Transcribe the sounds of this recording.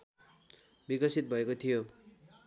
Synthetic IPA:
bikʌsit̪̚bʱʌekot̪ʰijo

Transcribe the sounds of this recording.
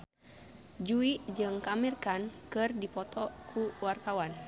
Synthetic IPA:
d͡ʒuiʔd͡ʒɨŋkamirkankɨrdipɔt̪ʰɔkʰuwart̪awan

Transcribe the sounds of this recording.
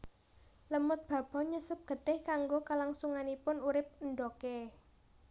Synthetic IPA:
ləmʊt̪̚b̥ä̤b̥ɔ̤ɲəsəp̚ɡ̥ə̤t̪ɪhkaŋɡokəlaŋsuŋanipʊnuɾɪp̚nɖɔke

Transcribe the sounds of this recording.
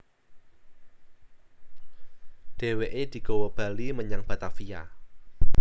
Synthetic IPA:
d̥e̤weʔed̪̥i̤kowəb̥a̤liməɲaŋb̥a̤t̪afija̰

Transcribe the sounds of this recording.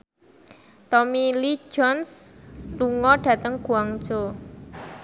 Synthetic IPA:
t̪ɔmili̥d͡ʒɔnsluŋɔɖ̥ä̤t̪əŋɡ̥uaŋ̥ʒo

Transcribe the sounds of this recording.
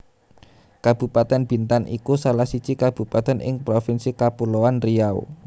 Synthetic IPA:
kab̥ṳpat̪ɛnb̥i̤nt̪anʔḭkusalahsit͡ʃikab̥ṳpat̪ɛnʔɪ̰ŋpɾofɪnsikapulowanriao̰

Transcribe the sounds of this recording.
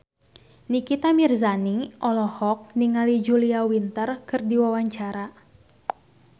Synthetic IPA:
nikit̪amirzaniʔɔlɔhɔk̚niŋalid͡ʒuliawint̪ərkɨrdiwawaɲt͡ʃaɾa

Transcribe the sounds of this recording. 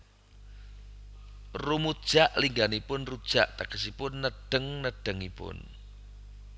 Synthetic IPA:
rumud̥ʒ̥aʔliŋɡanipʊnrud̥ʒ̥aʔt̪akəsipʊnːəɖ̥əŋnəɖ̥əŋipʊ̰n

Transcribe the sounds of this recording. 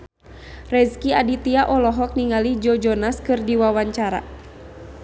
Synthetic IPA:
rɛzkiadit̪iaʔɔlɔɦɔk̚niŋalid͡ʒɔd͡ʒɔnaskɨrdiwawaɲt͡ʃaɾa̰

